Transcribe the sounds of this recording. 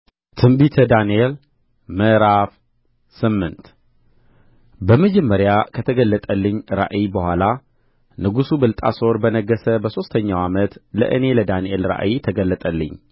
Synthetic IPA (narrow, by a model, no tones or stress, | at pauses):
t̪ʰɨmbit̪ʰəd̪aniel | məɾaf | sɨmːɨnt̪ | bəməd͡ʒɛmːəɾjakʰət̪ʰəɡəlːət̪ʼəlːɨɲːɾa̰ʔibəhʷala | nɨɡusubɨlt̪ʼa̰so̞ɾbənəɡəsəbəso̞st̪ʰəɲːawamət̪lə̰ʔɨne̞ləd̪anielɾa̰ʔit̪ʰəɡəlːət̪ʼəlːɨ̰ɲː